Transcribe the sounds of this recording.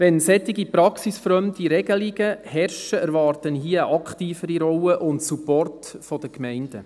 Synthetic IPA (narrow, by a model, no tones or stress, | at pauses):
vɛnsɛt̪ːiɡipɾɑksisfɾœmtiɾɛɡ̥əliɡ̥əhɛɾʃəɛɾvɑːrtənɦiəʔɑkχtiːfəɾiɾɔləʔʊntsupɔrt | fɔd̥əkmɛɪnd̥ə̰